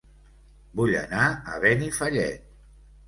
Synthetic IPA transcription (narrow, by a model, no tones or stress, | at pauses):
buʎə̰naə̰βɛnifəʎɛ̰t̪